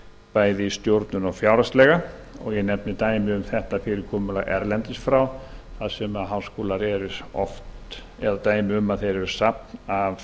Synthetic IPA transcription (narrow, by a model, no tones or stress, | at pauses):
paːjðɪist̪jowɾt̪nʏnɔɣfjawɾast̪lɛːɣa | ɔ̰ɣjɛnɛpnɪt̪aːjmɪʏmθɛht̪afɪɾɪkʰɔːmʏlaɣʔɛ̰ɾlɛnt̪ɪst̪fɾawθaðsɛmaðɦawskoːlaɾɛɾʏɾɔft̪ | ɛðat̪aːjmɪʏmaðθejɾɛɾʏ̥sapnav